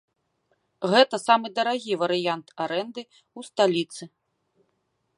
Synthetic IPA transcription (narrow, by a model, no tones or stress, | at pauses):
ɣɛt̪ɐsamɨd̪ɐɾaɣʲivɐɾɨjant̪aɾɛnd̪ɨ | ust̪alʲit̪sɨ